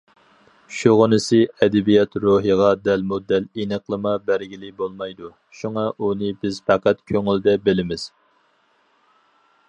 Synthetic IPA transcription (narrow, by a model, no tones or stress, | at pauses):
ʃuʁənɨsɨɛd̪ɪbijɛt̪ɾuɦəʁɑd̪ɛlmud̪ːɛlinəqlˠəmɑbæɾɡʲilɪbolˠmɑjd̪u | ʃuŋɑʔunɨbɪz̥fæqæt̪kʲʰøŋyld̪ɛbelɪmɪz̥